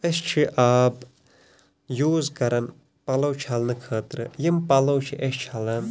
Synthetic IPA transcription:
ɐst͡ʃʰiʔaːb | juːzkɐɾɐn | pɐlɐwt͡ʃʰɐlnɨkʰɐːt̪ɾɨjimpɐlɐwt͡ʃʰiʔɐʃt͡ʃʰɐlɐn

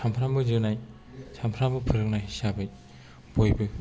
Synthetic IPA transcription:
sʰampʰɾambɯzɯnaj | sʰampʰɾambɯpʰɯɾɯk̚najɦisabɯj | b̥ojbɯ

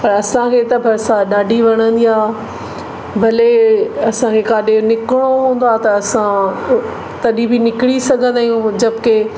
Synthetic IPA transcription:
pɐɾɐsãkʰet̪ɐbʱɐɾsaɗaːɖʱiʋɐɽ̃ə̃nd̪iaː | bʱɐleɐsãkʰekaːɗenɪkɪɽ̃oɦũːn̆d̪oaːt̪ɐːsã | t̪ɐɗĩbɪnɪkɪɽisɐɡʱə̃nd̪aːijũd͡ʑɐbɪke

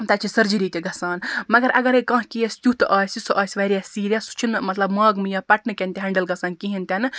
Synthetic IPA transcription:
t̪ɐt͡ʃʰisɐɾd͡ʒiɾiːt̪eɡɐsaːnmɐɡɐɾʔɐɡɐɾekɐ̃ːɦkijɐsʲt̪ʲut̪ɨʔaːsʲisɐʔaːsʲʋɐɾijasiːɾijaːsu̥t͡ʃʰinmɐt̪lɐbmaːɡmɨjaːpɐʈnɨkʲent̪ʲɦɐ̃ɳɖɐlɡɐsaːnkiɦint̪ʲenɨ

